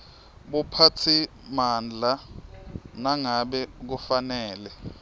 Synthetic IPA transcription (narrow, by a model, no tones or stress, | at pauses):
ɓupʰatʰi | mand͡ɮʱa | naŋaɓɛk̬ufanɛːlɛ